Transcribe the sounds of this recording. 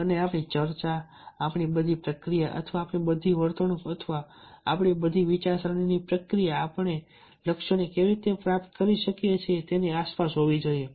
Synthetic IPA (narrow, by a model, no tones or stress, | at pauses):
əneapɳit͡ʃəɾt͡ʃaː | pɳibəd̪ʱipɾəkɾijaʔə̰t̪ʰʋaːpɳibəd̪ʱiʋəɾt̪əɳ̃ũkət̪ʰʋa̰ː | pɳ̃ibəd̪ʱiʋit͡ʃaɾsɾəninipɾəkɾijaːpəɳe | ləkʃonekeʋiɾit̪epɾap̚t̪kəɾiʃəkjet͡ʃʰet̪eniaspasɦoʋid͡ʒoie